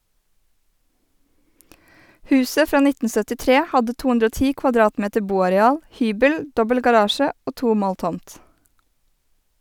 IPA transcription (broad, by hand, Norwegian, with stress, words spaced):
ˈhʉːsə ˈfɾɑː ˈnɪtn̩ sœtɪˈtɾeː ˈhɑdə ˈtuː ˈʉndɾə ˈoː ˈtiː kʋɑˈdɾɑːtˌmeːtə ˈbuːɑɾɛˌɑːl ˈhyːbəl ˈdɔbəl ɡɑˈɾɑːʃə ˈoː ˈtuː ˈmoːl ˈtɔmt